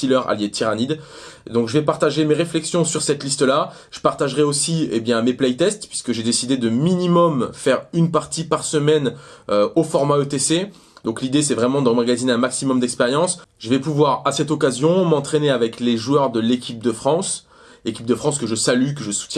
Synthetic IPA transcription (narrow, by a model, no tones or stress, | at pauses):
ilœʁa̰ljet̪ʰiʁanid̪ | d̪ɔ̃kʒəvɛpaʁt̪aʒemeʁeflɛksjɔ̃syʁsɛt̪list̪əla | ʒ̥əpaʁt̪aʒʁɛosiebjɛ̃meplɛjt̪ɛst̪pɥiskəʒed̪esid̪ed̪əminimɔmfɛʁynpaʁt̪ipaʁsəmɛnøofɔʁmaøt̪ese | d̪ɔ̃klid̪es̬ɛvʁɛmɑ̃d̪ə̃maɡazineɛ̃maksimɔmd̪ɛkspeʁjɑ̃sʒəvɛpuvwaʁasɛt̪ɔkazjɔ̃mɑ̃t̪χeneavɛkleʒuœʁd̪əlekʲip̚d̪əfχɑ̃s | ekʲip̚d̪əfχɑ̃skəʒəsalyk̬əʒəsu̥t̪jɛ̃